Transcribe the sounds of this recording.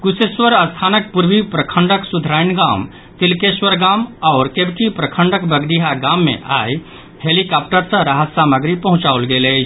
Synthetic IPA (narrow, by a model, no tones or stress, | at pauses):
ɡuseswəɾəst̪ʰaːnək̚puɾbipɾəkʰəɳɖəksud̪ʱɾaɪnɡam | t̪ilkeswəɾɡamɔːɾkebkipɾəkʰəɳɖəkbəɡɾiɦaɡamːḛ̃ʔa̰j | helikap̚ʈəɾsə̃ɾaɦəsaməɡɾipəɦʊ̃t͡ʃaulɡelet͡ʃʰ